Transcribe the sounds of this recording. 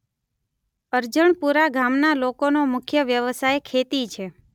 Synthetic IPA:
əɾd͡ʒəɳpuɾaɡʱamnalokonomʊkʰjəʋjəʋəsajkʰet̪it͡ʃʰe

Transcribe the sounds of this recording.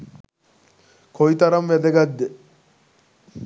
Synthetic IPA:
kʰojt̪ɐɾɐmʋɛd̪eɡad̪ːe

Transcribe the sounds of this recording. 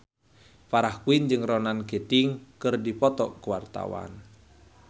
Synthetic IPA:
paɾahkuind͡ʒɨŋrɔnanket̪iŋkɨrdipɔt̪ɔkuwart̪a̰wa̰n

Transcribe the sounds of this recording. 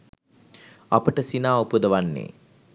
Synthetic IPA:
apəʈəsinaːupud̪əʋanːḛː

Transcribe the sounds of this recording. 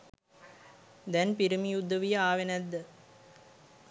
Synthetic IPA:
d̪ɛnpiɾimijud̪ːəʋijəaːʋenæd̪ːə

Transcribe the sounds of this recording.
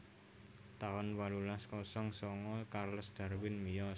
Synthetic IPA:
t̪aɔnwalulaskɔsɔŋsɔŋɔkarləsd̪̥a̤rwɪnmijɔ

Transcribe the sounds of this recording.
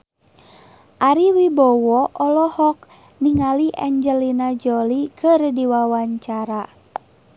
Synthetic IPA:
ʔaɾiwibɔwɔʔɔlɔhɔk̚ | niŋaliʔɛɲd͡ʒəlinad͡ʒɔlikɨrdiwawaɲt͡ʃaɾa

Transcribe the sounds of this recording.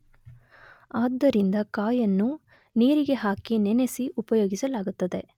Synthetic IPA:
aːd̪ːɐɾind̪ɐkaːjɐnːu | niːɾiɡe̞ɦaːkinɛnesiʔupɐjoːɡisɐlaːɡut̪ːɐd̪e̞

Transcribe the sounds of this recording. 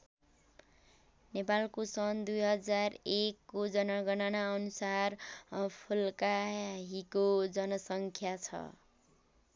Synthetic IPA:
nepalkosʌnd̪ujɦʌd͡zarekːod͡zʌnʌɡʌnʌnaʌnusarʌpʰulkaɦikod͡zʌnʌsʌŋkʰjat͡sʰʌ̰

